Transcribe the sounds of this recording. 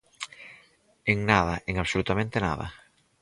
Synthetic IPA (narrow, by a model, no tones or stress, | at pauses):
eŋnaðɐʔeŋaβsolut̪amẽnt̪ena̰ðɐ̰